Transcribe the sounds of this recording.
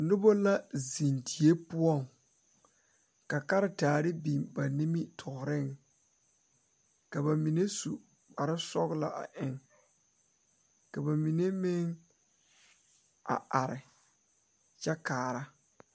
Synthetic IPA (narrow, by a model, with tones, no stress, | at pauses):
nʊ˦bo˦la˦zi˨ndi˨e˦pʊ˦ɔ˦˨ŋ | ka˨ka˦ɾɪ˨taː˨ɾɪ˦bi˨mba˨ni˦mi˦tʰɔ˨ɣɾɪ˦˨ŋ | ka˨ba˨mi˨ne˦su˨ | ba˨ɾɪ˦sɔ˦ɡla̰˨ʔa̰˨ʔɪ˦ŋ | ka˨ba˨mi˨ne˦mɪ˦ŋ | a̰˨a˨ɾɪ˨ | t͡ʃɛ˦kaː˨ɾa˦